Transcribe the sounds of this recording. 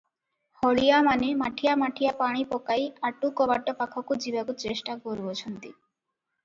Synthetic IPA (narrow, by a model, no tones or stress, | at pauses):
hɔɭijamanemaʈʰijamaʈʰijapaɽ̃ipɔkajaʈukɔbaʈːɔpakʰɔkud͡ʑibakut͡ɕesʈakɔɾbot͡ɕʰɔnt̪i